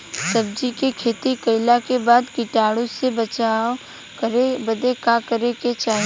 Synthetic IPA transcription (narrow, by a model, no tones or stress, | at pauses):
sɐbd͡ʒikekʰeːt̪ikɐɪlakebaːd̪kɪʈaːɽõsebɐt͡ʃa | kɾebɐd̪ekakɐɾeket͡ʃaːɦe